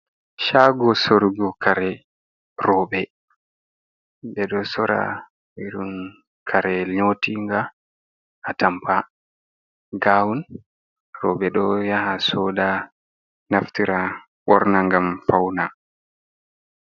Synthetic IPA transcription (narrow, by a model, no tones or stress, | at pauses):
ʃaːɡɔsoɾɡɔkʰaɾɛ | rɔːɓɛ | dɛɗɔsɔɾa̰ | iɗun | kʰaɾɛlɲotiŋɡaː | tampʰa | ɡawun | rɔɓɛɗɔjahasɔːda | naftiɾa | ɓɔɾnaŋɡamfawna